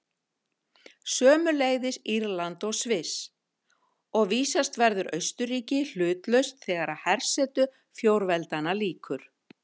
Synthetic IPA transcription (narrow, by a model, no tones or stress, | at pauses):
sœːmʏleːjðɪsiɾlant̪ɔɣsvɪs | ɔɣviːsast̪vɛɾðʏɾʔœɥst̪ʏɾiːcɪl̥ʏːt̪lœɥst̪θɛːɣaɾaðhɛr̥sɛːt̪ʏ | fjowɾvɛlt̪analiːkʰʏɾ̥